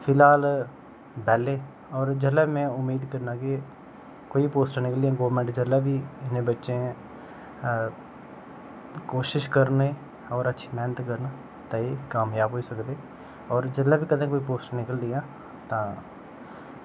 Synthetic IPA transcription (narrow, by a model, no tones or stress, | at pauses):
pʰɪlaːl | bɛːlːeː | ɔːɾd͡ʒəlːaːmɛ̃ːʊmːiːd̪kəɾnãːke | koːipoːsʈəɾnɪkəlɪjãːɡoːʋɾmɛ̃ːɳʈd͡ʒəlːaːbiːɪnẽːbətːʃẽː | koːʃɪʃkəɾneː | ɔːɾətːʃʰiːmɛːnət̪kəɾna | t̪ãːeːkaːmjaːbɦoːiːsəkd̪eː | ɔːɾd͡ʒəlːaːbiːkəd̪ẽːkoːiːp̬oːsʈəɾnɪkəld̪ɪjãː | t̪ãː